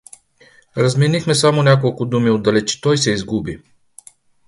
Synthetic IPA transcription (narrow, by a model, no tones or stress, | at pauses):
ɾɐzmɛnixmɛsamonʲakolˠkʊd̪umiod̪ɐlɛt͡ʃi̥t̪ɔjsɛizɡubi